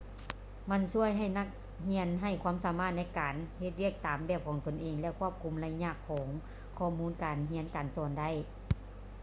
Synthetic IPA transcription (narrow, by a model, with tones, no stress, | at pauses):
ma˧˥˨nsu˧˥˩əjɦa˨˩jna˧˩k̚ | hi˧˥ənɦa˧˩jkʰwaː˧˥˨msaː˨˦maː˧˥˩t̪̚na˧˥jkaː˨nhe˧t̪̚wi˧˥˩ək̚t̪aː˨mbɛː˧˩p̚kʰɔː˨˦ŋt̪o˨˩nʔeː˨˩ŋlɛ˧˨kʰu˧˥˩əp̚kʰu˧˩˦mla˧˥ɲa˧˥˨kʰːɔː˨˦ŋ | kʰɔː˧˩muː˧˥nkaː˨˩nɦi˧˥ənkaː˨˩nsɔː˧˩nda˧˥˨j